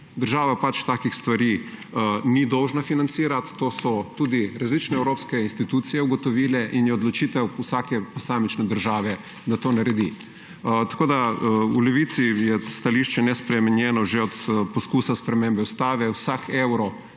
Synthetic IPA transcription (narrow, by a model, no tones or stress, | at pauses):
d̪əɾʒaːʋapat͡ʃt̪aːkixst̪ʋaɾi | nid̪ɔwʒnafinant̪siːɾat̪ːosɔt̪uːd̪iɾazlit͡ʃnɛɛwɾoːpskɛinst̪it̪uːt̪sijɛuɡɔt̪ɔʋiːlɛʔinjɛod̪lɔt͡ʃit̪ɛwusaːkɛposaːmit͡ʃnɛd̪əɾʒaːʋɛ | d̪at̪oːnaɾɛd̪ḭ | t̪ḁkoːd̪aulɛʋiːt̪sijɛst̪aliʃt͡ʃɛnɛspɾɛmɛnjɛːnɔʒeɔt̪poskuːsaspɾɛmembɛust̪aːʋɛwsakʰewɾɔ